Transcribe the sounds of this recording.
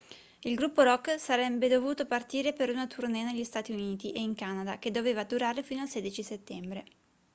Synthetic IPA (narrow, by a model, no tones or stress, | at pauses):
ilɡɾupːoɾɔkːsaɾɛbːed̪ovuːt̪opart̪iːɾepeɾunat̪ʰurnɛːneʎːist̪aːt̪iuniːt̪iʔeiŋkaːnad̪ak̟ed̪ːoveːvad̪uɾaːɾefiːnoalseːd̪it͡ʃiset̪ːɛmbɾe